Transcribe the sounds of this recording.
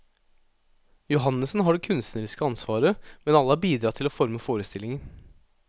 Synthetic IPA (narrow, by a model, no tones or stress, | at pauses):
jʊɦɑnːəsn̩ɦɑɖɛkʰʉnst̪nəɾɪskəɑnsʋɑːɾəmɛnɑlːəhɑːbiːd̪ɾɑːt̪ʰɪloːfɔɾməfoːɾəst̪ɪlɪŋən